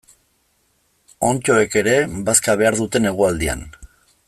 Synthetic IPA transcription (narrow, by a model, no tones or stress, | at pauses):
o̞nt͡ʃo̞e̞ke̞ɾe̞baskaβ̞e̞aɾðut̪e̞ne̞ɣ̞uald̪ia̰n